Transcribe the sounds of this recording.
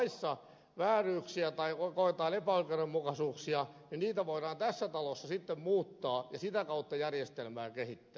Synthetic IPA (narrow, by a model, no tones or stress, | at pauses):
isːɑ | ʋæːryːksiæt̪ɑiokoet̪ɑːlepæolkeremmukɑsuːksiɑninniːt̪æʋoiɾɑːnt̪æsːæt̪ɑlosːɑsit̪ːemmuːt̪ːɑːjɑ̰sit̪ækɑut̪ːɑjærjest̪elmæːkehit̪ːæː